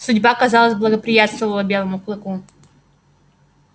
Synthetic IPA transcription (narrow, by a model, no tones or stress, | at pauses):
sʊdʲbakɐzɑlˠəzʲblˠəɡəpɾʲɪjat̪st̪vəvəlˠəbʲe̞lˠəmʊklˠɨku